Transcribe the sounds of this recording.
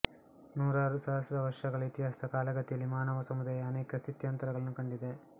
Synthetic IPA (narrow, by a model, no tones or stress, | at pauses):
nuːɾaːɾusaːɐsɐɾɐʋɐɾʂɐɡɐɭɐit̪jɦaːsi̥d̪ɐkaːlɐɡɐt̪ijɐlːimaːnɐʋɐsɐmud̪aːjɐːneːkɐst̪ʰit̪jɐnt̪ɐɾɐɡɐɭɐnukɐɳɖid̪e̞